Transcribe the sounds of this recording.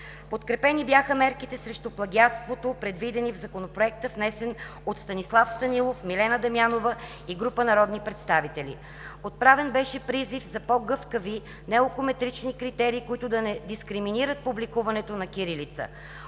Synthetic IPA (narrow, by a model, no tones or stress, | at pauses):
pot̪kɾɛpɛnibjaxəmɛɾkit̪ɛsɾɛʃt̪uplˠɐɡʲiat̪st̪vot̪opɾɛd̪vid̪ɛnivzɐkonopɾoɛk̚t̪əfnɛsɛnot̪st̪ɐnislˠafst̪ɐnilˠofmilɛnəd̪ɐmjanovə | iɡɾupənɐɾɔd̪nipɾɛt̪st̪avit̪ɛlʲḭ | ot̪̚pɾavɛnbɛʃɛpɾizifzɐpɔɡɤfkəvi | nɛokomɛt̪ɾit͡ʃnikɾit̪ɛɾiːkoit̪ʊd̪ɐnɛd̪iskɾiminiɾət̪̚publikuvɐnɛt̪onɐkʲiɾilit̪sə̰